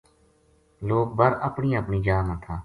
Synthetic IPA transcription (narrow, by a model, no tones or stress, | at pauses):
loːk̚bəɾəpɳiːəpɳiːd͡ʒaːmãːt̪ʰaː